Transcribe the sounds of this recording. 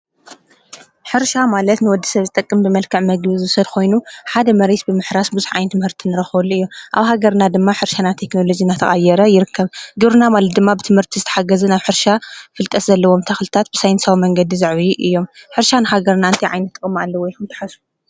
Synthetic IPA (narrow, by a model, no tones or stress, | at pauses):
ħɨɾʃamalɐt̪nɨwɔd̪ːi̥sɐβzɨt̪ʼɐkʼːɨmbɨmɐlkʰɐʕmɐɡɨβzɨsɐd̪kʰo̞jnuħad̪ɐmɐɾesbɨmɨħɾasbuzuħʕa̰jnt̪ʰɨmhɨɾt̪ʰinɨɾɐxβɐlːuɨjːoʔaβɦaɡɐɾnad̪ɨmːaħɨɾʃanat̪ʰe̞kno̞lo̞d͡ʒinːat̪ʰɐχʼajɛɾɐjɪɾɨkʰːɐβɡɨβɾɨnamalɐt̪̚d̪ɨmːabɨt̪ʰɨmhɨɾt̪ʰizɨt̪ʰɐħaɡɐzɨnaβħɨɾʃafɨlt̪ʼɐszɐlːɐwo̞mt̪ʰɐxlɨt̪ʰat̪̚bɨsajnsawimɐŋɡɐd̪izaʕβiʔɨjːo̞mħɨɾʃanɨɦaɡɐɾnaɨnt̪ʰiʕa̰jnɐt̪ːɨkʼɨmːalːɐwɔjkumt̪ʰɐ̥ħasu